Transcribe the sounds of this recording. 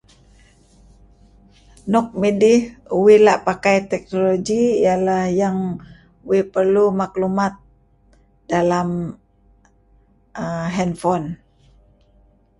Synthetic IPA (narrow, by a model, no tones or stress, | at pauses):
nɔk̚midɪhuwɪlaʔpakajt̪ɛk̚noloɡiijalahjaŋ | uwɪpərlumaklumat̪̚ | dalam | əɦɛnfɔn